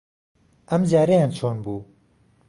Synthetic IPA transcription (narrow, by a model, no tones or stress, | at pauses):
ɐmd͡ʑaːɾejaːnt͡ʃʰoːnbu